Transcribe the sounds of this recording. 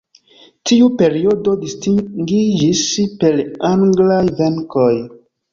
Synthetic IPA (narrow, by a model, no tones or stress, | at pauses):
tiupe̞ɾiododistiŋɡid͡ʒispelaŋɡlajveŋkoj